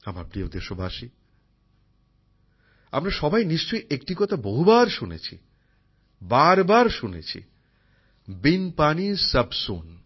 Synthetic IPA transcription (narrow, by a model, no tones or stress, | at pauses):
amaɾpɾiod̪eʃobʱaʃi | a̰mɾaʃɔbʱajniʃt͡ɕojʔek̚ʈikɔt̪ʰaboɦubaɾʃunḛt͡ɕʰḭ | baɾbaɾʃunḛt͡ɕʰḭ | binpanisəbson